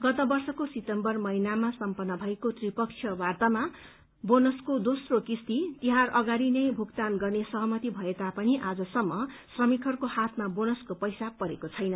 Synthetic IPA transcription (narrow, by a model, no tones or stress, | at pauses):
ɡʌt̪ʌbʌrsʌkosit̪ʌmbʌrmʌinamasʌmpʌnːʌbʱʌekot̪ripʌk̚t͡sʰjʌbart̪ama | bonʌskod̪osrokist̪it̪iɦarʌɡaɾinʌjbʱukt̪anɡʌrnesʌɦʌmʌt̪ibʱʌet̪apʌniʔad͡zʌsʌmːʌsrʌmikʰʌrkohat̪ʰmabonʌskopʌjsapʌɾḛkot͡sʰʌjnʌ